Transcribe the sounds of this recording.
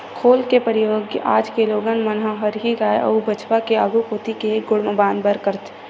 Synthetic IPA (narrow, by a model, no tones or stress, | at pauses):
kʰoːlkepəɾɪjoːɡaːd͡ʒkeloːɡənmənɦaɦəɾɦiɡaːeʔə̰ubət͡ʃwakeaɡukoːt̪ikeɡʊɽməbaːnd̪bəɾkəɾt̪ʰ